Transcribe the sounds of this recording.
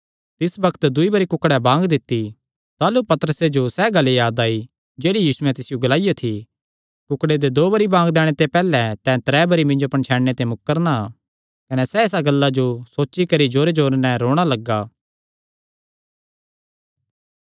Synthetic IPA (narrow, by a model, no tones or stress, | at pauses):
t̪ɪsbɐkʰə̥t̪d̪ʊibɐɾikʊkɽɛbãːŋɡd̪ɪt̪ːi | t̪aːlupɐt̪əɾəsed͡ʒosɛɡɐlejaːd̪aːi | d͡ʒeːɽijiːsʊɛ̃t̪ɪsɪjoɡɐlaːijat̪ʰi | kʊkɽed̪ed̪oːbɐɾibãːŋɡd̪ɛːɽ̃et̪epɛːlɛt̪ɛ̃t̪ɾɛːbɐɾimɪ̃nd͡ʒopɐɳ̃t͡ʃʰɛːɽnet̪emʊkːəɾna | kɐnɛsɛes̬aɡɐlːad͡ʒosoːʃikɐɾid͡ʒoːɾed͡ʒoːɾnɛɾoːɽ̃alɐɡːaː